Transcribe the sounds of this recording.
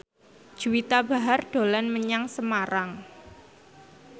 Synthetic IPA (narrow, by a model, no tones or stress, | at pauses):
d̥ʒ̥uwit̪aba̤ɦarɖ̥o̤lanməɲaŋsəmaɾaŋ